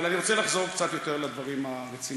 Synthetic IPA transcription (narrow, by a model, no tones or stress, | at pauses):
laniʁo̞t͡selaχzo̞ʁ̞kt͡sat̪jo̞t̪eʁlad̪vaʁimaʁet͡si